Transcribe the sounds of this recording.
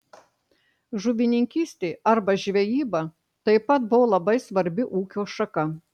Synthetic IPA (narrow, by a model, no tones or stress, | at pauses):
ʒuʋʲɪnʲɪŋʲkʲiːsʲt̪ʲeːɐɾbɐʒʲʋʲɛjiːbɐ | t̪ɐɪpɐt̪bʊʋoːlˠɐbɐɪsʋɐɾʲbʲɪʔuːkʲoːʃɐkɐ